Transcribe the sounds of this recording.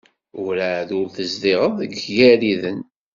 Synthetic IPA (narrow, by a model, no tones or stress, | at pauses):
ʊɾæðʊɾθəzðiʁəðˤəɡjæɾiðən